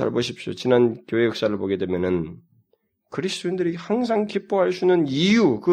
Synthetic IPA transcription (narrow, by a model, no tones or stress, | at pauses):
a̰ɭboɕʰip̚ɕ͈o̰t͡ɕinankjoɦejʌk̚s͈aɾɯɭpoɡe̞dwe̞mjʌnɯn | kɯɾisʰt͈oindɯɾihaŋs̬ʰaŋkip͈oɦaɭsʰunɯnijukɯ